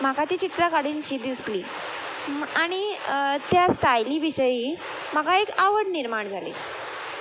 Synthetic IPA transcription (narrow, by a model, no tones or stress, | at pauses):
m̤akat̪iːt͡ɕit̪ɾakaɽiːnt͡ɕiːd̪isliː | aɽ̃it̪jasʈajliːʋiɕəjiː | m̤akaekaʋəɽniɾmaɳd͡zʱalḭː